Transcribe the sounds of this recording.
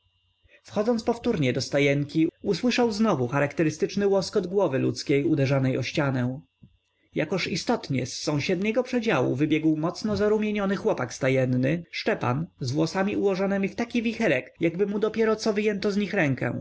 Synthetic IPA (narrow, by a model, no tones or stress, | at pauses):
fxɔd̪zɔnt̪spɔft̪uɾɲɛd̪ɔst̪ajɛŋkʲiuswɘʂawznɔvuxaɾakt̪ɛɾɘst̪ɘt͡ʂnɘwɔskɔd̪ɡwɔvɘlṵt̪skʲejud̪ɛʐanɛjɔɕt͡ɕanɛ̃ | jakɔʂist̪ɔt̪ɲɛ̰sːɔ̃w̃ɕɛd̪ɲɛɡɔpʂɛd͡ʑawṵvɘbʲjɛɡwmɔt̪snɔzaɾumʲjeɲɔnɘxwɔpakst̪ajɛnːɘʂt͡ʂɛpa̰nzvwɔsamʲiuwɔʐɔnɛmʲift̪akʲivʲixɛɾɛkjaɡbɘmud̪ɔpʲjɛɾɔt̪sɔvɘjɛnt̪ɔzɲixɾɛŋkɛ̰̃